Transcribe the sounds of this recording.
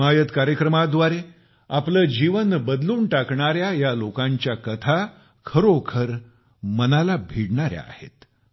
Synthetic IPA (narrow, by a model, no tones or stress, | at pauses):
ajət̪kaɾjəkɾəmad̪ʋaɾe | apləːd͡ʑiʋənbəd̪luːnʈakɳaɾjajalokãɲt͡ɕjakət̪ʰa | kʰəɾokʰəɾ | mənalabʱiɽɳaɾja̰a̰hḛt̪